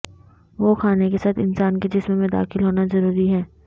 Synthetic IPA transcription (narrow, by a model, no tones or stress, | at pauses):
ʋoːxʰaːnekesaːt̪ʰɪ̰nsaːnked͡ʒɪsmẽmẽd̪a̰ːxɪlɦoːnazɐɾuːɾiɦɛː